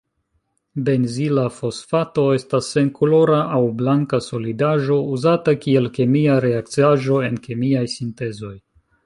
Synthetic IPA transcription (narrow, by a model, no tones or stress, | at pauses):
be̞nzilafo̞sfato̞e̞stasːe̞ŋkolo̞ɾaʔːwblaŋkaso̞lidaʒo̞uzatakie̞lkemiaɾe̞akt͡siaʒo̞e̞nkemiajsinte̞zo̞j